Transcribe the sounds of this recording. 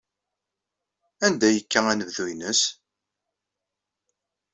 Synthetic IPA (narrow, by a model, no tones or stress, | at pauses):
ænd̪æjəkːæænəvðuinəs